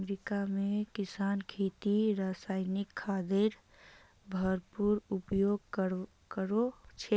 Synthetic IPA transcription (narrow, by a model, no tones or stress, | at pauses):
mɾikamẽkɪsaːnkʰeːt̪iɾaːsaːɪnɪkʰːaːd̪eɾ | bʱəɾpuɾʊpjoːɡ̚k | kəɾot͡ʃʰe